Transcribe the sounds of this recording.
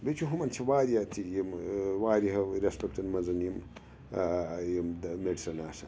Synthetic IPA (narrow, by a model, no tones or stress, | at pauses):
bit͡ʃʰuɦumɐnt͡ʃʰiwaːɾijat̪ʰijimwaːɾiɦɐɾespekʈɐnmɐzɐnjim | jimmeɖisɐnaːsɐ